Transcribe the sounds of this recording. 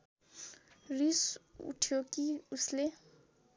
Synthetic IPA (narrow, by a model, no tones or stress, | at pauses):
risṵtʰiokiusle